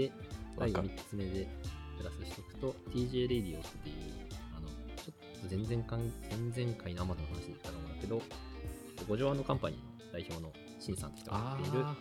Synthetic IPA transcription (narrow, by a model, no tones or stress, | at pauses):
esaiɡomʲi̥t͡sɨme̞d̪e̞kɯ̟ɾasɨɕi̥t̪okɯ̟̥t̪o̞t̪ʲiːʑeːɾed̪ʲiosɨt̪ːeɯano̞t͡ɕo̞t̪ːo̞zẽ̞nd͡zẽ̞ŋkãŋz̥ẽ̞nd͡zẽ̞ŋkainoamazonohanaɕid̪ekit̪ːaɾaɯ̃nake̞d̪o̞t͡ɕot̪ːoɡo̞ʑo̞ːãnokãmpaɲ̟ḭno̰d̪aiçoːno̞ | ɕĩɰ̃sã̰nt̪oçit̪okt̪ːeiɾɯ̟